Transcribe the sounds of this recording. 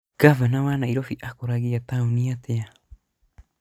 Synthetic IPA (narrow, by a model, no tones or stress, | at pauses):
ɡ̥avanawanaiɾofiʔakoɾaɡiat̪auniat̪ea